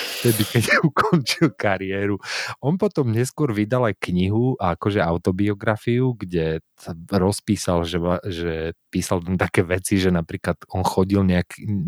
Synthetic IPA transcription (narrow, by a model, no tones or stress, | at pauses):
ft̪ɛd̪ikɛɟukɔnt͡ʃilkaɾɪɛːɾuʔɔnpɔt̪ɔmɲɛskʊɔɾʋid̪alajkɲiɦuʔakɔʒɛaʊt̪ɔbiɔɡɾafiuɡɟɛ | saɾɔspiːsalʒɛaʒɛpiːsalt̪amt̪akɛːʋɛt͡siʒɛnapɾiːklat̪ɔnxɔɟilɲɛakʰi